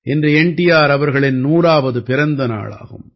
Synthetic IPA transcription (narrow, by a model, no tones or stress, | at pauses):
ʔɛndrɯɛɳʈɪjaːɾɐʋɐɾɣɐɭɪnnuːɾaːʋɐðɯpɪɾɐnd̪ɐna̰ːɭa̰ːɣɯ̰m